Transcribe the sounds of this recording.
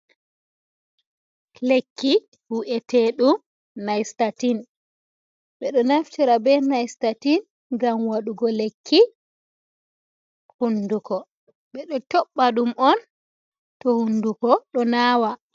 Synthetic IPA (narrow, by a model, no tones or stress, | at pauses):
lekːi | huʔɛtɛɗum | najstatin | ɓɛɗɔnaftiɾabɛnajstatin | ɡamwaɗuɡɔlekʰːi | hundukɔ | ɓɛɗɔtɔɓːaɗumʔɔn | tɔhundukɔɗɔnaːwa